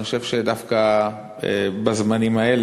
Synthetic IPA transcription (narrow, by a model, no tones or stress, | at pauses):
xoʃevʃed̪afka | bazmanimael